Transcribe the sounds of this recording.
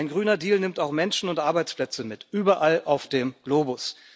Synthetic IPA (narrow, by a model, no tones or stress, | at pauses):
ɪnɡʁyːnɐdiːlnɪmtaʊxmɛnʃn̩ʊntʔaɐbaɪt͡splɛt͡səmɪtʔyːbɐʔalaʊfd̥eːmɡ̥loːbʊs